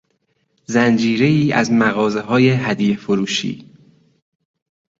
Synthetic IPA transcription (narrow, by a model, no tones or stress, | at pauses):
zænd͡ʒiːɾe̞iːæ̰zmæɣɒːze̞ɦɒːje̞ɦæd̪ijefoɾuːʃḭː